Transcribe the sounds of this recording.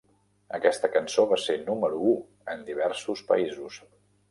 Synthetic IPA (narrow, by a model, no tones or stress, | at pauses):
ə̰kɛst̪əkənsoβ̞asenuməɾuu | ənd̪iβ̞ɛɾsuspə̰izus